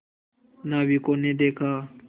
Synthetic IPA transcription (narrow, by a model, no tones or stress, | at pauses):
naːbʱiːkoːnẽːd̪eːkʰaː